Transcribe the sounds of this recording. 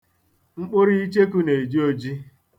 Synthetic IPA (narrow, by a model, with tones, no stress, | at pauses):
ŋ͡m̩˦k͡pʊ˦ɾi˦i˦t͡ʃe˦ku˦ne˨e˨d͡ʒi˦o˦d͡ʒi˦